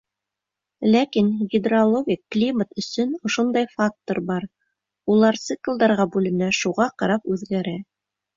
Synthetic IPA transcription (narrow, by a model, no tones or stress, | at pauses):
lækinɡʲɪd̪rolˠoɡʲikːlʲimət̪ɵ̆sɵnŏʃond̪ɑjfak̚t̪oɾbɑɾ | ulˠɑɾt̪sɨklˠd̪ɑɾʁɑbʉlɘ̆næʃuʁɑqɑɾɑpʉðɡæɾæ